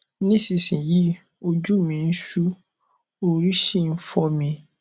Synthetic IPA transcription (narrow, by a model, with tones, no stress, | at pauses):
nĩ˦si˨sĩ˨ji˨˦ | o˧d͡ʒu˦˨mĩ˨˧n̩˦ʃu˦ | o˧ɾi˦ʃĩ˦˨n̩˦fɔ˧mĩ˧